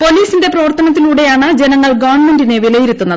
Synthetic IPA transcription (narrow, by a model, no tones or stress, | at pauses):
po̞liːsinde̞prɐʋɐrt̪ɐnɐt̪ːiluːɽe̞jaːɳɨd͡ʑe̞nɐŋːɐɭɡɐʋɐɳme̞ndineʋilɐjiɾut̪ːunːɐð